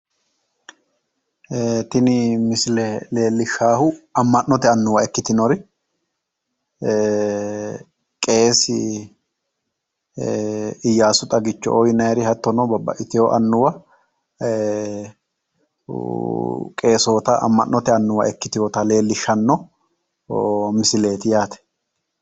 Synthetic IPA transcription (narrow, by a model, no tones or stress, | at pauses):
t̪ɪnɪmɪslɛle̞ːlːɪʃaːhʊɐmːɐnnɔt̪ɛɐnːʊwɐɛkːɪt̪ɪnɔɾɪ | kʼe̞ːsɪ | ɪjːaːsʊt̪ʼɐɡɪt͡ʃːɔ̰ʔɔjnɐjɾɪhɐt̪ːɔnɔbɐbːɐ̰ʔɪt̪ɪjɔʔɐnːʊwɐ | kʼe̞ːsoːt̪ɐʔɐ̰mːɐʔnːʔɔt̪ɛɐnːʊwɐ̰ʔɛkːɪt̪ɪjoːt̪ɐle̞ːlːɪʃːɐnːɔ | mɪsɪle̞ːt̪ɪjaːt̪ɛ̥